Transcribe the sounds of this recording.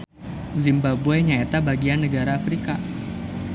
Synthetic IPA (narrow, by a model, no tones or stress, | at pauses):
zimbabueɲaet̪abaɡianːəɡaɾaːfɾika